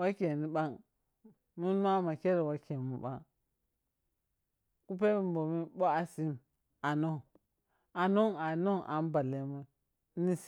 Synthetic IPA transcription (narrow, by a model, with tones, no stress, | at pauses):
wa˦kʲe˨ni˨ɓa˦ŋ | mu˦n˦a˦ma˨ke˦ɾe˨wa˦ke˨mu˨ɓa̰˦ŋ | ku˦p̬e˦bi˦˨mbo˨mi˦ɓo˦a˨si˦m | a˨no˦˨ | a˨no˦a˨no˦˨ʔa̰˨n˦ba˨le˨ma˦ | ni˦s